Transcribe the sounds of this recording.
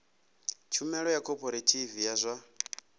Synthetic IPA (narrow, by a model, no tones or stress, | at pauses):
t͡ʃʰumɛɺɔjakʰɔpʰʼɔɾatʰivijazʷa